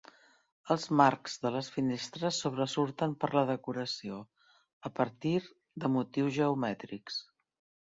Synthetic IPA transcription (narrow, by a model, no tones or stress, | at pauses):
əlˠzmaɾkz̥ðələsfinest̪ɾəsːuβ̞ɾəsuɾt̪əmpəɾləðəkuɾəsio | əpəɾt̪iɾ | d̪əmut̪iwzʒəumɛt̪ɾiks